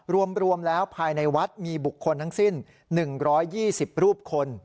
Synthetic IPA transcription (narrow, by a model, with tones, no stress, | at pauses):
ɾu˧əmɾu˧əmlɛː˦˥wpʰaː˧jna˧jwa˦˥t̪̚miː˧bu˨˩kʰːo˧nt̪ʰa˥˩ŋsi˥˩nː | ɯ˨˩ŋɾɔː˦˥jːiː˥˩si˨˩p̚ɾuː˥˩p̚kʰo˧n